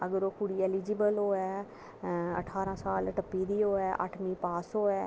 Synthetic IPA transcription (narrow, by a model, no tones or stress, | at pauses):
əɡəɾoːkʊɽieːlid͡ʒibəlɦoːɛ | ɐ̰ʈʰaːɾãːsaːlʈəpːid̪iːoːɛʔa̰ʈʰmĩːpaːsoːɛː